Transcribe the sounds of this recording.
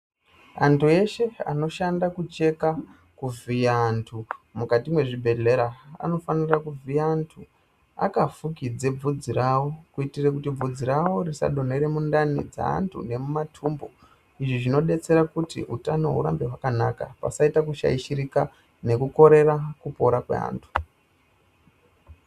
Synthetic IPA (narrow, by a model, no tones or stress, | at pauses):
a̰ntue̞ʃe̞a̰no̞ʃandakut͡ʃe̞ka | kuvijaːntʰumukatimwe̞ʐibʱe̞ɮe̞ɾaa̰no̞fanirakuvijaːntʰu | a̰kafukid͡ze̞b͡vud͡ziɾawo̞kuitirekutib͡vud͡ziɾawo̞risa̰ɗo̞neɾe̞mundanid͡za̰a̰ntʰṵne̞mumatʰumbo | iʐiʐino̞ɗe̞t͡se̞ɾakutḭʔutano̞̰ɦṵɾa̰mbeɦwakana̰ka̰pa̰saitakuʃa̰iʃiɾika | ne̞kuko̞ɾe̞rakupo̞ɾakwḛa̰ːntʰu̥